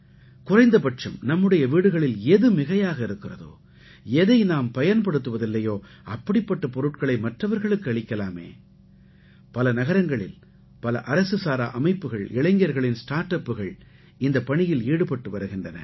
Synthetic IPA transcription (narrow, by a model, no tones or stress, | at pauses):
kʊrɐɪnd̪ɐpɐʈt͡ʃɐmnɐmːɯɽɐjɐʋiːɽɯɣɐɭɪlɛðɯmɪɣɐjaːɣɐɪɾɯkːɪrɐðo̰ː | ɛðɐɪnaːmpɐjɐnpɐɽɯt̪ːɯʋɐðɪlːɐjoː | ɐpːɐɽɪpːɐʈːɐpɔɾɯʈkɐɭɐɪmɐʈrɐʋɐɾɣɐɭɯkːɯɐɭɪkːɐlaːmḛː | pɐlɐnɐɣɐɾɐŋɡɐɭɪ̰l | pɐlɐ̰ʔɐɾɐsɯsaːɾa̰ːʔɐmɐɪpːɯɣɐɭɪɭɐɪŋɡɪjɐɾɣɐɭɪnsʈaːɾʈɐpːɯɣɐɭ | ɪnd̪ɐpɐɳɪjɪliːɽɯpɐʈːɯʋɐɾɯɣɪndrɐnɐ̰